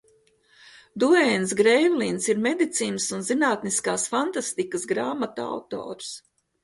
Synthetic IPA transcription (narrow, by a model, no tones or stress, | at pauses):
d̪uɛnsɡɾɛjvliːnsiɾmed̪it̪siːnəsunzinaːt̪niskaːsfant̪ast̪ikəsɡɾaːmat̪a̰wt̪o̰ːɾs